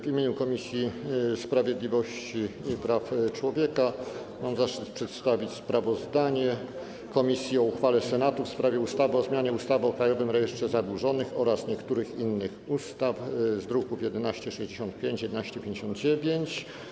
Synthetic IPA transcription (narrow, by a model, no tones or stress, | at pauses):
vimʲjeɲukɔmʲisʲjispɾavʲjed̪lʲivɔɕt͡ɕipɾaft͡ʂwɔvʲjɛka | mamzaʂt͡ʂɘt̪pʂɛt̪st̪avʲit͡ɕspɾavɔzd̪aɲɛ | kɔmʲisʲjiɔuxfalɛsɛnat̪ufspɾavʲjɛust̪avɘɔzmʲjaɲɛust̪avɘɔkɾajɔvɘmɾɛjɛʂt̪ʂɛzabwuʐɔnɘxɔɾasɲɛkt̪uɾɘxinːɘxust̪afzd̪ɾukufjɛd̪ɛnaɕt͡ɕɛʂɛʑd͡ʑeɕɔnt̪̚pʲjeɲt͡ɕjɛd̪ɛnaɕt͡ɕɛpʲjẽɲd͡ʑeɕɔ̃nd̪̚d͡ʑevʲjeɲt͡ɕ